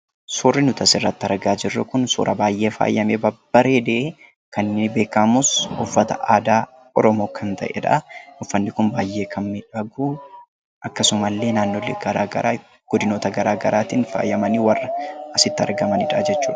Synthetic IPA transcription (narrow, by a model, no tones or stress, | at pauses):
suːrːɪnʊt̪ɐsɪrːɐt̪ːɪɐɾɡaːd͡ʒɪrːɐkʊnsṵːɾʔɐbaːjʔe̞ːfa̰ːjːɐmeːbɐb̥ːɐɾeːd̪ee | kɐnːɪbe̞ːkːɐmʊsʊfːɐt̪ɐʔaːd̪aː | ɔɾɔmoːkʰɐnt̪ɐ̰ʔɛ̰ᶑa̰ʊfːɐnːɪkʊnbaːjːe̞ːkʰɐmmɪᶑɐɡuː | ʔɐkːɐsʊmɐlːe̞ːnaːnːoːlːeɡɐɾa̰ːɡɐ̰ɾaː | ɡ̥ɔd̪ɪno̞ːt̪ɐɡɐɾaːɡɐɾʔaːt̪iːnfa̰ːjːɐmɐniːwɐrːɐɐsɪt̪ːɪɐ̰ɾɡɐmɐnɪᶑad͡ʒɛt͡ʃːuːᶑɐ